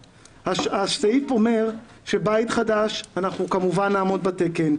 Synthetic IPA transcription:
haʃaʃteifo̞me̞ʁ | ʃe̞bajt̪χadaʃanaχnukamuvanːaːmo̞d̪bate̞ke̞n

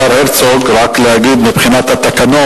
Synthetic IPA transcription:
aɾheɾt͡soɡɾaklehaɡid̪mibχinat̪hat̪ːakano

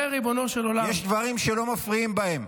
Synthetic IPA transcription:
eʁibo̞noʃelolajeʃd̪vaʁimʃelo̞mafʁiimbahe̞m

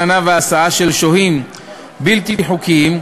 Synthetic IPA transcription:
anaveasaaʃelʃohim | bilt̪iħukim

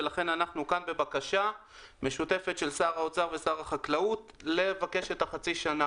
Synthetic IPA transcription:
elaχe̞nanaχnukanbe̞bakaʃa | me̞ʃute̞fe̞tʃelsaːʁaot͡saʁve̞saːʁaχaklautle̞vake̞ʃetaχat͡siʃana

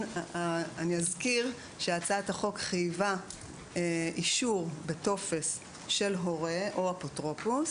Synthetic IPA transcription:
aniazkiʁ | ʃeat͡sathaχo̞kχajva | ʔiʃuʁbeto̞fe̞s | ʃe̞lɦo̞ʁeʔoapotʁo̞pus

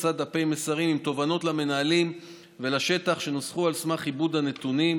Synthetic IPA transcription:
t͡sad̪apejme̞saʁimimt̪o̞vano̞t̪lame̞naalim | velaʃe̞t̪aχʃe̞nosχualsmaχibud̪ane̞t̪unim

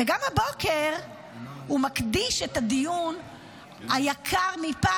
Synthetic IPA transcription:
eɡamhabo̞ke̞ʁ | humakd̪iʃet̪ad̪ijun | hajakʰaʁmipa

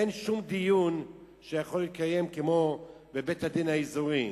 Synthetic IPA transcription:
enʃumd̪ijun | ʃejaχolːitkaje̞mkemo̞ | bebethad̪inhaizuʁi

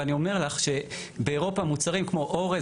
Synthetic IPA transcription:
anio̞me̞ʁlaχʃe̞ | beeʁo̞pamut͡saʁimkmo̞ʔoʁe

